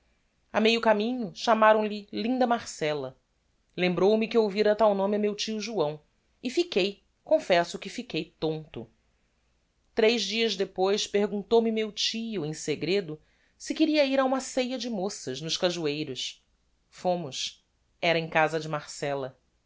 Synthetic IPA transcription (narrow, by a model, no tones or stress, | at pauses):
amejʊkamĩɲʊʃamaɾɐ̃w̃lɪlĩnd̪ɐmaɾsɛlɐ | lẽmbɾowmɪkɪowviɾɐt̪awnõmɪɐmewt͡ʃiʊʒuɐ̃w̃ | ɪfikej | kõfɛsʊkɪfikejt̪õnt̪ʊ̰ | t̪ɾejʒd͡ʒiɐzd̪epojspehɡũnt̪owmɪmewt͡ʃijʊẽseɡɾed̪ʊ | sɪkɪɾiɐiɾaũmɐsejɐd͡ʒɪmosɐʒnʊʃkaʒuejɾʊs | fõmʊs | ɛɾɐẽkazɐd͡ʒɪmaɾsɛlɐ